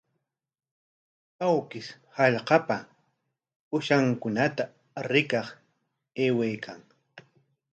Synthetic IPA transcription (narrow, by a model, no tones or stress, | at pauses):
awkɪs | hɑʎqɑpa | ʊʃaŋkʊnat̪a | ɾɪkɑχ | eːwejkʰaŋ